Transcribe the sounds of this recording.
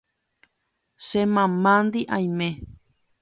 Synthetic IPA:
ʃemãmãnd̪iʔãj̃mẽ

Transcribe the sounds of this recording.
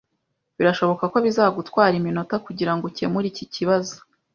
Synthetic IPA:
βiɾaʃo̞βo̞kako̞βizaːɡutwaːɾimino̞takuɟiɾaŋɡoce̞muɾiciciβazo̥

